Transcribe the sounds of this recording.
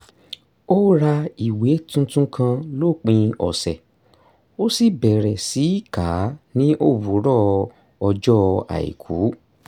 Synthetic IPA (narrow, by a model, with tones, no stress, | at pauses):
o˦ɾa˧i˨we˨˦tũ˦tũ˦kʰã˧lo˦˨k͡pĩ˧ɔ̰˨sɛ˨ | o˦si˦bɛ˨ɾɛ˨si˨˦i˦ka˨˦nĩ˦ʔo˦˨wu˨˦ɾɔ˦˧ | ɔ˧d͡ʒɔ˦˧a̰˨ḭ˨kʰu˨˦